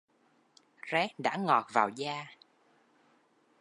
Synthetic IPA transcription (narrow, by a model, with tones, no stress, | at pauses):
zɛ˨˦˥ɗa̰ː˧˥ŋɔ˨˩t̚vaː˨˩wzaː˧